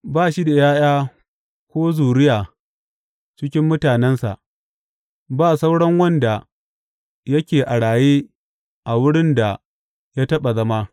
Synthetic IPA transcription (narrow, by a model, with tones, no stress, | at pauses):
baː˦ʃi˦da˨jaː˦jaː˦ | kʷoː˦zuː˨ɽɪ˦jaː˨ | t͡ʃɪ˦kʲɪ˦mːʊ˦taː˨nɛ˦nsa̰˨ʔ | baː˦˨sa˦wɽɐ˦ŋwɐ˦nda˨ | jɐ˦kʲeː˨ʔa˨ɽaː˨jeː˦ | ʔa˨wʊ˦ɽɪ˦nda˨ | ja˦tɐ˦ɓa˨zɐ˦ma˦